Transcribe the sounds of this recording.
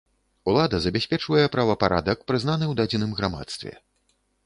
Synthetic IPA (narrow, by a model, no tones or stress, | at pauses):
ulˠad̪ɐzɐbʲasʲpʲɛt͡ʂvɐjɛpɾɐvɐpaɾʔa̰d̪ɐkpɾɨznanɨwd̪ad͡zʲinɨmɣɾama̰t̪st̪vʲɛ̰